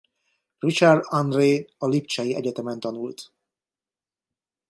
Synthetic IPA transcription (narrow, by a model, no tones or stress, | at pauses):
rit͡ʃɛrd̪ɑnd̪reːɒlipt͡ʃɛjiɛ̰ɟɛt̪ɛmɛnt̪ɒnult̪